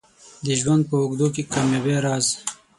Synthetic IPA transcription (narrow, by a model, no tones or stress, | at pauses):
d̪əʒwand̪̚pəʊɡd̪uk̬ekamjaweɾɑːz